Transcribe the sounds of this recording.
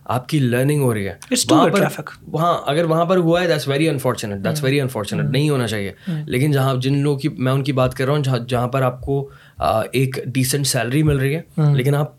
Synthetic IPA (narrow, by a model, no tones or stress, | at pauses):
a̰ːp̚kiləːɾnɪ̃ŋɡɦoːɾɐiɦɛ̰ːɪsʋɐɦaʈpɐɾɛfɪkʋɐɦãʔɐɡəɾʋɐɦãpɐɾɦuaɦɛd̪æʈsʋɛɾiɐ̃nfɔːɾt͡ʃʊneʈ̚d̪æʈsʋɛɾiɐ̃nfɔːɾt͡ʃʊneʈnɐɦĩɦoːnat͡ʃaːɦiḛlʔḛːkɪnd͡ʒɐɦãd͡ʒɪnloːɡkimɛ̃ʊnkibaːt̪kɐɾːɐɦũd͡ʒd͡ʒɐɦãpɐɾaːp̚ko | eːkɖiːsə̃ɳʈsɛːləɾimɪlɾɐɦiɦɛːleːkɪnaːp̚